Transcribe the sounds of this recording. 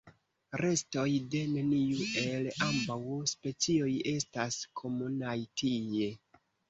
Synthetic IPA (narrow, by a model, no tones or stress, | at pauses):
ɾe̞sto̞jde̞neniuʔe̞lambawspe̞t͡sio̞je̞staskʰo̞munajtije̞